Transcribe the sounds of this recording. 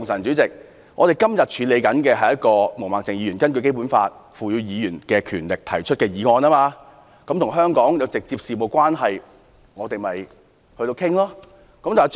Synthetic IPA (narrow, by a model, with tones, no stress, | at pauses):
ŋsɐ˨˩nt͡syː˨˥t͡sɪ˨k̚ | ŋɔː˨˧ɾe˨˩jkɐ˥mjɐ˨˩t̚t͡ʃʰyː˨˧le˨˧jkɐ˨˥nkɛː˧ɦɐ˨jɐ˥t̚kɔː˧mo˨˩wmaː˨˩t͡sɪ˨ŋjiː˨˧ɥyː˨˩nkɐ˥nkɵ˧k̬e˥jp̬u˨˥nfa̰ː˧t̚fuː˨˩jyː˨˧jiː˨˧jyː˨˩nkɛː˧kʰyː˨˩nlɪ˨k̚t̪ʰɐ˨˩jt͡ʃʰɵ˥t̚kɛː˧jiː˨˧ŋɔː˧naː˥maː˧ | kɐ˨˥mt̪ʰʊ˨˩ŋɦœː˥ŋkɔː˨˥ŋjɐ˨˧wt͡sɪ˨k̚t͡siː˧p̚siː˨mo˨˩wkʷaː˥nɦɐ˨j | ŋɔː˨˧t̪e˨jmɐ˨j | hɵ˧t̪o˧wkʰɪ˥ŋlɔː˥ | kɐ˨˥mt̪t͡sɐ˨˩